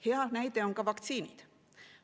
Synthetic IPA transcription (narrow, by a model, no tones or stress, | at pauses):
he̞ɑd̪næjd̪e̞oŋkɑvɑkt̪siːnid̪̥